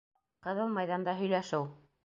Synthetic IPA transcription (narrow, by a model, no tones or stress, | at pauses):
qɤðɤlmɑjðɑnd̪ɑɦɵ̆jlæʃow